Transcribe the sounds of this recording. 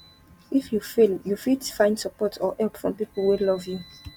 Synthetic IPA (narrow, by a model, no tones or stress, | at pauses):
ifjufiljufidfãɪ̃ndsəpɔtɔʔɛlˠpfɹɔ̃mpipəlˠwilɔvju